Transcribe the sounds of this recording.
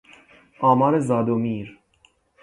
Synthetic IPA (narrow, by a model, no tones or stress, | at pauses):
amaɾezad̪omiːɾ